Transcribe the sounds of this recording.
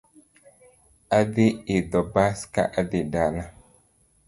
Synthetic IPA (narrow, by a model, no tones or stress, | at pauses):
adeedɔbaska̰ʔadedala